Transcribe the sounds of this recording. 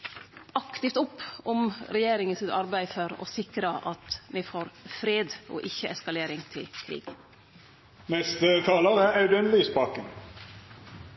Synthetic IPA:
ɑkt̪ɪft̪ʊpːɔmɾɛjeːɾɪŋənsɪt̪ɑɾbæɪfɔɾɔ̰sɪkɾəʔɑt̪mɛfoːɾfɾeːd̪o̰ʔɪçːəʔɛskɑleːɾɪŋt̪ʰɪ̰lkʰɾḭːɡ̥ | nɛst̪ət̪ʰɑːləʁææʉd̪ɛnlɪspɑːkən

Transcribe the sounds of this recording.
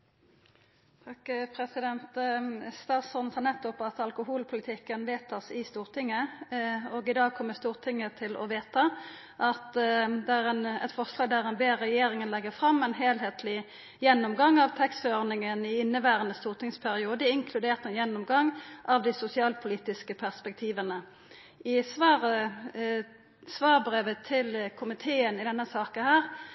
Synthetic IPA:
t̪ʰɑkpʰɾɛsɪd̪ɛnt̪st̪ɑːsɔnshɑnɛt̪ːɔpɑt̪ɑlkʊɦuːlpʰʊlɪt̪ʰɪkːənʋeːt̪ʰɑsɪst̪uːʁt̪ʰɪŋːə | ɔːɡɪd̪ɑːɡ̚kʰɔmːəst̪uːʁt̪ʰɪŋːət̪ʰɪlɔ̰ʋeːt̪ɑ | ʔɑt̪d̪ɛæʁɛnɛ̰t̪fɔʁslɑːɡ̚d̪æʁɛnbeːʁːɛjeːɾɪŋənlɛɡːəʁfʁɑmːɛnɦeːlɦeːt̪ʰlɪ | jɛnːʊmɡɑŋːɑʋt̪ʰɛkst̪føɔʁnɪŋənɪɪnːəʋæːʁənəst̪uːʁt̪ʰɪŋspʰæʁɪuːd̪əɪŋkʰlʉd̪eːʁt̪ɛnjɛnːʊmɡɑŋːʔɑʋd̪ɪsʊsɪɑːlpʰʊliːt̪ɪskəpʰæʁspɛk̚t̪ʰiːʋənə | ɪsʋɑːʁə | sʋɑːʁbʁeːʋət̪ʰɪlkʰʊmɪt̪ʰeːənɪd̪ɛnːəsɑːkənhæːʁ

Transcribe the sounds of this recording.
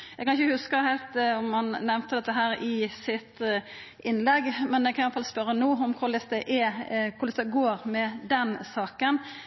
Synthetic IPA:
jæɛɡkʰɑnɪçəhʉskəhæɪlt̪ɔmhɑnnɛʋnt̪əd̪ɛt̪ːəɦæːɾɪsɪt̪ | ʔɪnlɛɡmɛnjæɡkʰɑnɪɑt̪fɑlspœɾənuːɔmkʰʊɾd̪ɪsd̪ɛʔɛkʰʊɾlɛsd̪ɛɡoːɾmɛd̪ɛnsɑːkən

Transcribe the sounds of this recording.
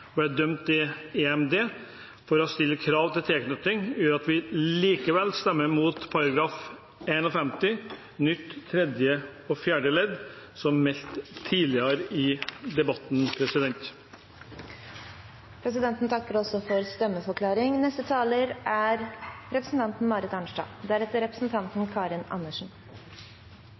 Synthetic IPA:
bæd̪œmt̪ɪeːɛmd̪eː | fɔɾɔst̪ɪlːəkʰɾɑːʋt̪ɪlt̪ʰɛːknœt̪ɪŋjøːɾɑt̪ʋɪliːkəʋɛlst̪ɛmːəɾmuːt̪pʰɑɾɑɡɾɑːf | eːnɔfɛmt̪ɪ | nʏt̪ːt̪ʰːɾɛd̪jəɔfjæːɖəlɛd̪sɔmmɛst̪ʰːiːlɪəɾɪd̪ɛbɑt̪npʰɾɛsɪd̪ɛnt̪ | pʰɾɛs̬ɪd̪ɛnt̪n̩t̪ʰɑkːəɾɔsɔfɔɾst̪ɛmːəfɔɾkʰlɑːɾɪŋnɛst̪ət̪ʰɑːləɾʔæɾɾɛpɾəsn̩t̪ʰɑnt̪n̩mɑːɾɪt̪ɑɳʂɖɑ̰ːd̪æɾɛt̪ːəɾɛpɾə̥sn̩t̪ʰɑnt̪nkʰɑːɾɪnɑ̰nːəʂn̩

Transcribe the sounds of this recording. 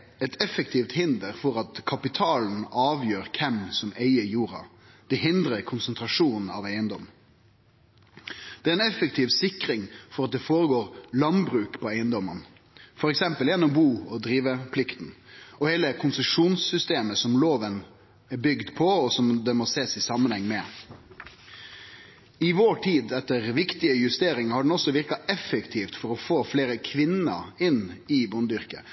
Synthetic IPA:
ɛt̪ʰɛfək̚t̪ʰiːʋt̪hɪnd̪əɾfɔɾɑt̪kʰɑpɪt̪ʰɑːln̩ɑːʋjøːɾkʰɛmsɔmeɪəjuːɾɑ̰ | d̪̥ɛɦɪnd̪ɾəkʰʊnsənt̪ɾɑʂuːnn̩ɑ̰ʋæɪənd̪ɔm | d̪̥ɛæɾɛnɛfək̚t̪ʰiːʋsɪkɾɪŋfɔɾɑt̪̚d̪ɛfoːɾəɡoːɾlɑnbɾʉːkpʰɔæɪənd̪ɔmːən | fɔɾɛksɛmpəljɛnːɔmɔbuːɔd̪ɾiːʋəpʰlɪkt̪n̩ɔheːləkʰʊnsəʂuːnsːʏst̪eːməsɔmloːʋən | ɛbʏɡd̪pʰɔɔsɔmd̪ɛmɔseːsɪsɑmːənhɛŋːmɛ | ɪʋoːʈʰiːd̪ɛt̪ːəɾʋɪkt̪ɪəjʉst̪eːɾɪŋɑhɑɖɛnɔsːɔʋɪɾkɑɛfəkt̪ʰiːft̪fɔɾɔfoːfleːɾəkʰʋɪnə̰ɾɪnɪbʊnd̪ʏɾkə̰

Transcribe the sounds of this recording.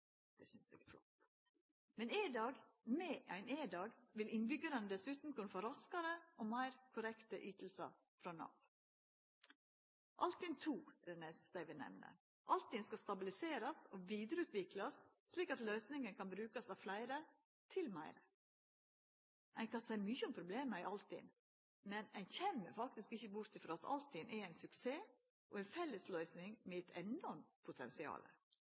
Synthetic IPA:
d̪̥ɛsʏnsd̪ɛ̰ɡɛ̰flɔ̰t̪ | mɛnɪd̪ɑːɡmeːæɪneːd̪ɑːɡʋɪlɪnbʏɡəɾɑnəd̪ɛsʉːt̪n̩kʰʊnfoːɾɑskɑɾəʔoːmæɪɾkʰʊɾɛkt̪əʔyːt̪l̩sɑ̰ | fɾɑnɑ̰ːʋ | ʔɑlt̪ʰːɪnt̪ʰuːɾɛneːssd̪æɪʋɪnɛ̰mnə̰ | ʔɑlt̪ːɪnskɑst̪ɑbɪlɪseːɾɑsoːʋiːd̪ɾəʉːt̪ʋɪklɑsː | liːkɑt̪lœʏsnɪŋənkɑnbɾʉːkɑsɑʋflæɪɾə | t̪ʰɪlmæɪɾə | ʔæɪnkɑnsæɪmyːçəɔmpʰɾʊbleːməæɪʔɑlt̪ɪ̰n | mɛnæɪnçɛmːə̰ɾfɑk̚t̪ɪskɪçːəbʊɾt̪ɪfɾɔɑt̪ʰɑ̰lt̪ɪnʔɛæɪnsʉkseː | ʔɔ̰ɛɪnfɛlːəslœʏsnɪŋmɛɛt̪ʰɛnɔɾmpʰʊt̪ʰɛ̰nsɪɑ̰ːlə̰

